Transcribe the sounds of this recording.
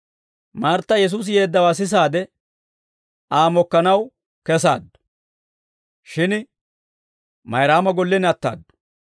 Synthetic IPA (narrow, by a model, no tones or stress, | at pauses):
maːɾt̪ːɐjɛs̬uːs̬je̞ːd̪ːɐwaːs̬ɪs̬aːd̪ɛ | aːmɔkːɐnɐw | kɛsa̰ːd̪ːʊ̥ | ʃɪn | mɐjɾaːmɐɡɔlːɛnɐt̪ːa̰ːd̪ːʊ̥